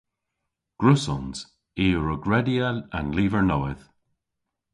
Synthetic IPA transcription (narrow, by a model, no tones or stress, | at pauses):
ɡ̥ɹʊsɔnz | iːəɹəɡɹɛdialanliːvəɹnowɪð̥